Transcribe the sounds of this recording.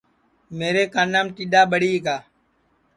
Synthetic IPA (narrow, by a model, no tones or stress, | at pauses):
meːɾeːkaːnaːmʈiːɗaːɓəɽiːkaː